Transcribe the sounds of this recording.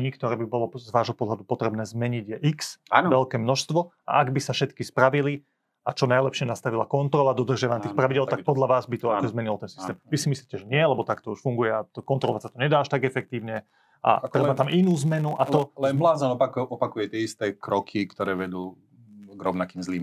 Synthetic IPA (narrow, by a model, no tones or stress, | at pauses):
ɲikt̪ɔɾɛːbibɔlɔzʋaːʒɦɔpɔd̪ɦlad̪upɔt̪ɾɛbnɛːzmɛɲiɟjɛʔiksanʋɛlkɛːmnɔʃst̪ʋɔ | a̰ʔaɡbisafʃɛt̪kispɾaʋili | at͡ʃɔnajlɛpʃɪɛnast̪aʋila̰kɔnt̪ɾɔlad̪ɔd̪r̩ʒɪaʋaɲat̪ixpɾaʋiɟɪɛlt̪akk̚pɔd̪laʋaːzbit̪ɔakɔzmɛɲilɔt̪ɛnsist̪ɛːmʋisimisliːcɛʒɛɲɪɛalɛbɔt̪akt̪ɔuʃfuŋɡujɛat̪ɔkɔnt̪ɾɔlɔʋacsat̪ɔɲɛd̪aːaʃt̪aɡɛfɛk̚t̪iːʊɲɛ | a̰t̪ɾɛbat̪amʔinuːzmɛnuʔat̪ɔlɛnblaːzɔnɔaɔpakujɛt̪ɪɛist̪ɛkɾɔkʰikt̪ɔɾɛːʋɛd̪uː | ɡɾɔʊnakiːmzliːm